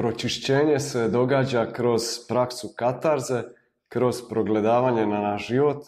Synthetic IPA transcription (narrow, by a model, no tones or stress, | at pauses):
pɾo̞t͡ʃiʃt͡ɕe̞ːɲe̞se̞d̪o̞ɡaːd͡ʑakɾo̞z̥pɾaksukat̪aɾze̞ | kɾo̞z̥pɾo̞ɡle̞d̪aːʋaːɲe̞nanaʃʒ̥iʋo̞t̪